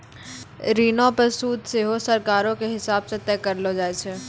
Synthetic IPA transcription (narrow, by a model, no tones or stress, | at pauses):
ɾiːnopɐsuːd̪seɦosɐɾkaːɾõkeɦɪsaːbset̪ɛːkɐɾlod͡ʒaːet͡ʃʰeː